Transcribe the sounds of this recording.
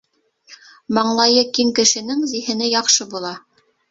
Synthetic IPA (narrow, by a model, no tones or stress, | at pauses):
mɑɴlˠɑjɤkiŋkɘ̆ʃɘ̆nɘŋzihɘ̆nɘjɑqʃɤbulˠɑ